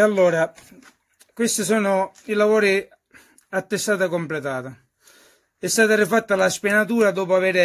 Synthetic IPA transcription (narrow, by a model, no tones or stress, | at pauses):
alːɔːɾa | kwest̪isɔːnʊ | ilavɔːɾi | at̪ːest̪aːt̪akomplet̪aːt̪a | ɛst̪aːt̪aɾɪfat̪ːalaspɛnat̪uːɾad̪ɔːpʊavɛːɾɪ